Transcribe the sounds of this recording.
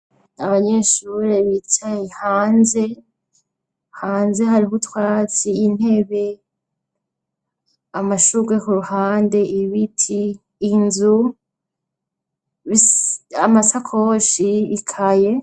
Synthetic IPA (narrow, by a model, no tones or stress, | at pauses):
aβaɲe̞ʃuɾeβitʰajihaːnze̞ | haːnze̞ɦaɾiɦutwaːt͡siːn̥e̞βe̞ | amaʃuɾɡwekuɾuhaːnde̞ʔiβitʰiː | nzu | βiamasakʰooʃiːkʰaje̞